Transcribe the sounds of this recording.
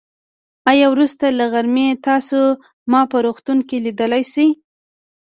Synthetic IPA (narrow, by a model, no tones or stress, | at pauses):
ɑjɑwɾust̪alaɣaɾmet̪ɑso | mɑpəɾoxt̪uŋkelid̪əlajsaj